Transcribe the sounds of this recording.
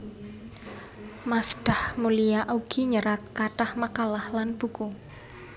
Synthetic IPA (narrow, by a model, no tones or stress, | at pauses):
masd̥ahmuliaʔuɡ̥iɲəɾat̪̚kaʈahmakalahlanb̥uku